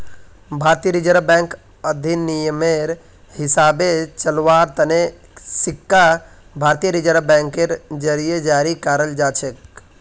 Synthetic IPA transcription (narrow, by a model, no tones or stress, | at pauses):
bʱaːɾt̪ijəɾid͡ʒəɾbɛ̃ːŋk | əd̪ʱinːijəmeɾ | hɪsaːbet͡ʃəlʋaːɾt̪əne | sɪkːa | bʱaːɾt̪ijəɾid͡ʒəɾbɛ̃ːŋkeɾd͡ʒəɾijed͡ʒaːɾikaɾəld͡ʒaːt͡ʃʰek